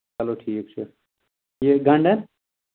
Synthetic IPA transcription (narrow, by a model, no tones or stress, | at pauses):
ɐloːʈʰiːkt͡ʃʰe | jeɡʱɐ̃ɳɖɐn